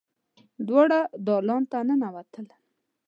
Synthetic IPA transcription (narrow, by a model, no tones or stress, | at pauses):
d̪wɑɽad̪ɑlɑnt̪anənawat̪ʰəl